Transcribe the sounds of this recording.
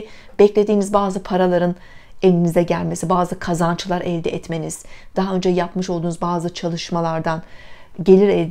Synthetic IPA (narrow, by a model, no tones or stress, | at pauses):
b̥ɛclʲe̞d̪iːnizbaːzɯpʰaɾalˠaɾɯn | elʲinizɛɟælʲme̞sibaːzɯkʰazant͡ʃʰɯlˠaɾʔɛlʲd̪ɛʔɛt̪me̞niz̥d̪̥aɦaø̞nd͡ʒɛjapmɯʃolˠd̪uːnuzbaːzɯt͡ʃʰalˠɯʃmalˠaɾd̪an | ɟe̞lʲiɾɛlʲd̪